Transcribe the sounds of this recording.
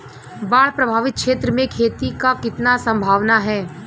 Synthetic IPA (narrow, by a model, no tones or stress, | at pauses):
baːɭ̤pɾɐbʱaːʋɪt̪̚kʃeːt̪ɾəmẽkʰeːt̪ikakɪt̪nasɐ̃mbʱaːʋnaɦɛː